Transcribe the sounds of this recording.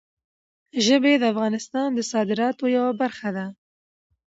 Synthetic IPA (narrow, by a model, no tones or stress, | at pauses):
ʒəbed̪əafɣɑnɪst̪ɑːnd̪əsɑːd̪ɪɾɑːt̪ojawabaɾxad̪a